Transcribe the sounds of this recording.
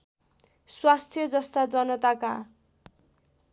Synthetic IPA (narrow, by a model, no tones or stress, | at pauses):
swast̪ʰjʌd͡zʌst̪ad͡zʌnʌt̪aka